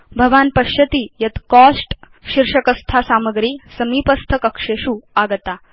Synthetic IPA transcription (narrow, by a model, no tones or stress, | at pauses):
bʱɐʋaːnpɐɕjɐt̪iːjɐt̪kɔsʈ | ɕiɾʂəkɐst̪ʰasaːməɡɾiːsɐmiːpɐst̪ʰəkəkʂeʂuaɡt̪a